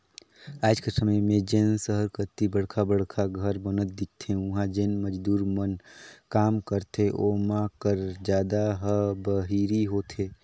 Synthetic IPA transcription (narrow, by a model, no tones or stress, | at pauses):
aːd͡ʒkəsəməjmẽd͡ʒeːnsəɦəɾkəɾt̪ibəɽkʰabəɽ̤kʰaɡʱəɾbənət̪̚d̪ɪt̚t̪ʰːẽʊɦãd͡ʒeːnməd͡ʒd̪uːɾmənkaːmkəɾt̪eʔoːmakəɾd͡ʒjaːd̪aɦəbəɦiɾiɦot̪ʰeː